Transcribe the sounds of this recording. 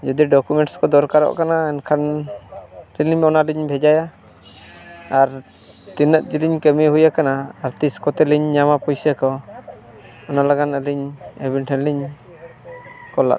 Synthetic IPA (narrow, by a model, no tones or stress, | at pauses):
d͡ʒud̪iɖɔkumɛɳʈskɔd̪ɔɾkaɾɔ̰ʔkanaɛnkʰan | ɾiliɲɔnaliɲbʱɛd͡ʒaja | ɾ | t̪inət̪̚d͡ʒiliɲkəmɛɦujakanaːɾt̪iskɔt̪ɛliɲːamapɔjsəkɔ | ɔnalaɡanəliɲɛbinʈʰɛliɲ | kɔla̰